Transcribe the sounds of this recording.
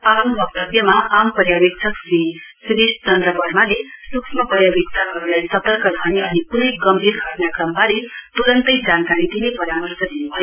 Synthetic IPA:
apnobʌk̚t̪ʌbjʌmaʔampʌrjabek̚t͡sʰʌksi | siɾisʈt͡sʌnt̪rʌbʌrmalesuksmʌpʌɾjabik̚t͡sʰaɦʌɾulajsʌt̪ʌrkʌɡʱʌnianikunʌjɡʌmbʱiɾɡʱʌʈnakrʌmːalet̪uɾʌnt̪ʌjd͡zankaɾid̪inepʌɾamʌrsʌd̪inubʱʌjo

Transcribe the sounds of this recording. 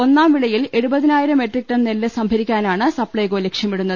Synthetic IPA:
o̞nːaːmʋiɭɐjile̞ɻubɐðinaːjiɾɐme̞ʈrik̚ʈːɐnnelːɨsɐmbʱɐɾikʲːaːnaːɳɨsɐpːɭɐjko̞ːlekʂjɐmiɽunːɐð

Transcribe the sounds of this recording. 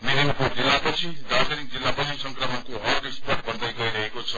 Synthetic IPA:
niɾimkod͡zilːapʌt͡sʰidaɾmeɾiŋ̚d͡zilːapʌnisʌŋkrʌmʌnkoɦʌrɡekspʌrʈ̚bʱʌnd̪ʌjɡʌiɾʌɦekot͡sʰʌ

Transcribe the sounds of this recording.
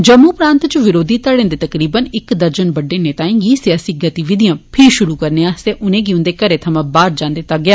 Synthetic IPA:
d͡ʒəmːuːpɾãːnt̪t͡ʃʋɪɾoːd̪iːt̪əɽẽːnd̪eːt̪əkɾiːbənɪkd̪əɾd͡ʒənbəɖeːneːt̪aːĩːŋɡiːsɪjaːsiːɡət̪iʋɪd̪ijãːpʰɪɾʃʊɾuːkəɾneãːseːʔʊnẽːɡiʊ̃nd̪eːkəɾeːt̪ʰəmãːbaːɾd͡ʒãːnd̪eːt̪aːɡɪjaː

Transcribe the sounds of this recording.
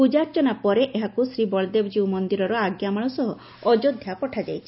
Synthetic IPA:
pud͡ʒaɾt͡ʃɔnapɔɾeʔeɦakusɾibɔɭɔd̪ebd͡ʒiwmɔnd̪iɾɔɾɔaɡjamɔɭ̃ɔsɔɦɔ | ɔd͡ʒod̪ʱjapɔʈʰad͡ʒa̰jt͡ʃʰi̥

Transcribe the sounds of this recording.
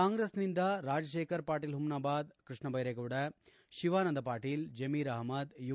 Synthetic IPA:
aːŋɡɾeːsnɪnd̪aːɾaːd͡ʒɐʃeːkɐɾpaːʈːɪlɦʊmnaːbaːd̪kɾɪʂɳɐbɐjɾɐɪkuːɽɐ | ʃɪʋaːnɐnd̪ɐpaːʈːɪld͡ʒɐmiːɾɐɦɐmɐd̪ju

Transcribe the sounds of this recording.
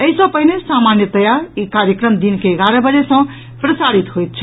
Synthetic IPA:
əɦisə̃pəɦinesamanjət̪əjaɾikaɾjəkɾəmd̪inkeːɡaɾəbəd͡ʒesə̃ | pɾəsaɾit̪ɦojt̪̚t͡ʃʰ

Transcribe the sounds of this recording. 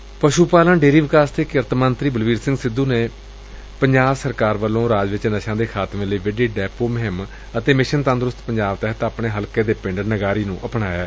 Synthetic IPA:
pəʃuːpaːlə̃nɖeːɾiːʋɪkaːst̪eːkəɾt̪mənt̪ɾiːbəlʋiːɾsɪ̃ŋɡsɪd̪ːuːneː | pəɲd͡ʒaːʋsəɾkaːɾʋəlːõːɾaːd͡ʒʋɪt͡ʃnəʃãːd̪eːkʰaːt̪mẽːləiːʋɪɖeːɖɛːpoːməɦɪm | ət̪eːmɪʃənt̪ə̃nd̪ɾʊst̪pəɲd͡ʒaːʋt̪ɛɦət̪aːpɳeːɦəlkeːd̪eːpɪ̃ɳɖənəɡaːɾiːnũːʔəpɳaːjaː

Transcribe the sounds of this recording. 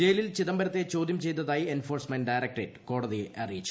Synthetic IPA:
d͡ʑeːjlilt͡ɕiðɐmbɐɾɐt̪ːe̞t͡ɕo̞ːd̪jɐmt͡ɕe̞jt̪ːɐðaːjienfoːrsmɐnɖɐjɾɐk̚ʈreːʈːɨ̥ko̞ːɽɐðiɐrijit͡ɕːu̥

